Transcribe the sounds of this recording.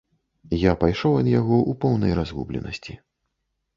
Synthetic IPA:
japajʂɔwɐd̪jaɣɔʔupɔwnɐjɾazɣṵblʲɛ̰nɐ̰sʲt͡sʲi

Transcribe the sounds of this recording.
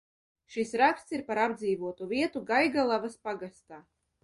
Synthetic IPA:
ʃisɾakst̪siɾpaɾabd̪ziːvuɔt̪uvʲiɛt̪uɡajɡalˠavaspaɡast̪aː

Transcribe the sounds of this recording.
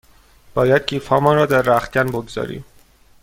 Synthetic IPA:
b̥ɒːjæd̪̥̚cʰiːfhɒːmɔːnɾɒːd̪æɾːæxt̪̚ɟænboɡzɒ̰ːɾḭːm

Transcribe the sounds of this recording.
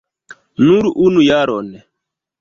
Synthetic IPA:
nuɾuʔunujaɾɔnɛ

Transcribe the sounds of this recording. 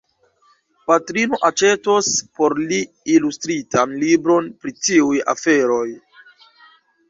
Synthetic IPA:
patɾino̞ʔat͡ʃe̞tospo̞ɾliː | lustɾitanlibɾo̞npɾitiuja̰fe̞ɾo̞j

